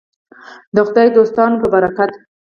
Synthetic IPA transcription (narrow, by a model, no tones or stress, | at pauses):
d̪əxʊd̪ɑjd̪ost̪ɑnopəbaɾakat̪